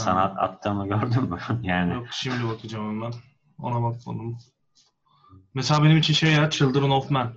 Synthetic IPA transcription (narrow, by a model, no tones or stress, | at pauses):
sa̰nat̪ʰa̰t̪ʰːɯːmɯɟøɾd̪ymːujaːnɪjok̚ʃimlʲibakʰɯd͡ʒaːmembæn | o̰nabakko̰nd̪um | meselʲaːbe̞nimit͡ʃʰinʃejaɾat̪̚t͡ʃʰɯlˠd̪ɯɾɯnofmæn